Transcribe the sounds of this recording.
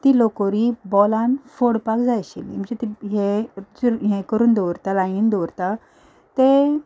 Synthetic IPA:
t̪ilokoɾibɔlãnfoɽpakd͡zajɕilḭm̤əd͡zet̪iɦed͡zuɾɦẽkəɾuːnd̪owɾt̪alajind̪ɔʋɾt̪a | t̪e

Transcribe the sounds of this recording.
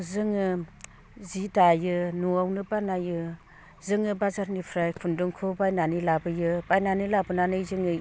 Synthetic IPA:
zɯŋɯ | zidajɯnuawnɯbanajɯ | zɯŋɯbazaɾnipʰɾajkʰundɯŋkʰɯbajnanilabɯjɯbajnanilabɯnanɯjzɯŋɯ

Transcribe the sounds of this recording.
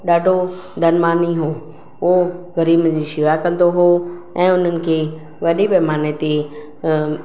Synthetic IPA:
ɗaːɖʱo | d̪ʱɐnmaːniɦoː | oɣɐɾiːbd͡ʑiːʃɪʋakɐ̃nd̪oɦo | ɛ̃ːʊn̤ənɪ̆kʰeː | ʋɐɗibeːmaːnet̪e

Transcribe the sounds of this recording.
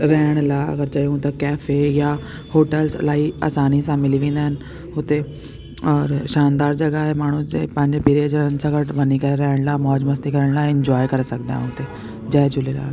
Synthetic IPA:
ɾɛːɽ̃laːə̰ɡəɾt͡ʃaːiũt̪akɛːfʰeːjaː | hoːʈəlslaːiːa̰ːsaːnisãːmɪliːʋĩːnd̪eːɦən | ʊt̪eː | ɔːɾʃaːnd̪aːɾd͡ʒəɡaːɦɛːmaːɳ̃ũːepə̃ɲd͡ʒpiːɾed͡ʒəənsəkəʈbəniːkəɾeɾɛːɽ̃laːmɔːd͡ʒməst̪ikəɾəɳ̃laːɪ̃ɲd͡ʒɔːjkəɾsəkd̪a̰ːɦɛ̰ʊt̪eː | d͡ʒaːd͡ʒʊleːla̰ː

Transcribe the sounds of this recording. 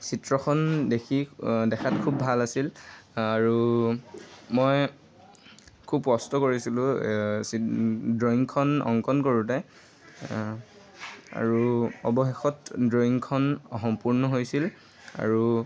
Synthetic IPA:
sitɹɔxʰɔndekʰidɛxʰat̚kʰubːʱalasilaɹu | mɔj | kʰubkɔstɔkoɹisilʊ̃sidɹoiŋkʰɔnɔ̰ŋkɔnkoɹutɛ | a̰ɹuɔbɔxexɔtdɹoiŋkʰɔnɔɦɔmpuɹnɔɦojsil | a̰ɹu

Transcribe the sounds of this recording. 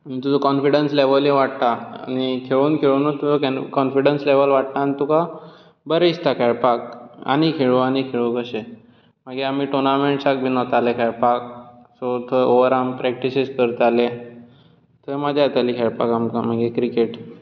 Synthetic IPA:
amit̪ud͡zɔkɔnfiɽənsleʋəleʋaɽt̪aa̰ñikʰeɭuːnkʰeɭunət̪ːud͡zɔkkɔnfiɽənsleʋəlʋaʈ̚naːnit̪uka | bəɾeist̪akʰɛɭpak̚a̰ñikʰeɭʋoañikʰeɭokəɕe | maɡeamiːʈonameɳʈsak̚bʱiːnɔt̪alekʰɛɭpak̚ | sɔt̪ʰəoʋəɾampɾɛk̚ʈisid͡zkəɾt̪ale | t̪ʰəməd̪ʱjat̪aliːkʰɛɭpakamkamaɡekɾikeʈ

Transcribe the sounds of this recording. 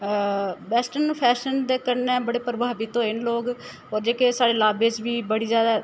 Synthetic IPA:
bɛːsʈənpʰɛːʃənd̪eːkəɾnɛ̃ːbəɽeːpəɾbaːbit̪õːɪnloːɡ | ɦoːɾd͡ʒeːkesaːɽeːlaːbeːd͡ʒʋiːbəɽiːzjaːd̪a

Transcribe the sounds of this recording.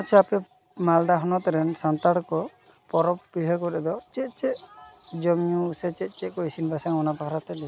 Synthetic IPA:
at͡ʃʰɛapɛ | mald̪aɦɔnɔt̪ɾɛnsant̪aɽkɔ | pɔɾɔppiɽ̤akɔɾɛd̪ɔt͡ʃɛt̪̚ˀt͡ʃɛʔd͡ʒɔmjusɛt͡ʃɛt̪̚ˀt͡ʃɛʔ̚kɔisinbasaŋɔnapakʰɾat̪ɛlɛ

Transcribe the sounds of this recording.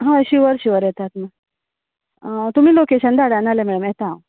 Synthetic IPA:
ɦãəɕiːʋəɾɕiʋəɾjɛt̪at̪mə | t̪um̤iːlokeɕənd̪aɽanalemɛɽəmɛt̪aãw

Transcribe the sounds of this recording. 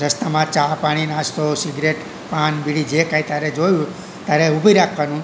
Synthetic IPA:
ɾəst̪amãt͡ʃapaɽ̃inast̪osiɡɾeʈ | panbiɽid͡ʒekãit̪jaɾed͡ʒojũ | t̪jaɾeubʱiɾakʰʋanũ

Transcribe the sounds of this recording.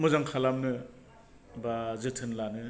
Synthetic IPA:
mɯzaŋkʰalamnɯ | bazɯtʰɯnlanɯ

